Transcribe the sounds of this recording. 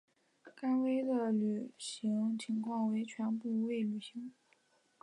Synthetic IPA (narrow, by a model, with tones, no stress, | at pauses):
ka˥nwe˥ɪd̪ə˨ly˨˩ɕi˧˥ŋt͡ɕʰi˧˥ŋkʰwɑ˥˩ŋwe˧˥ɪt͡ɕʰɥɛ˧˥npu˥˧we˥˩ɪly˨˩ɕi˧˥ŋ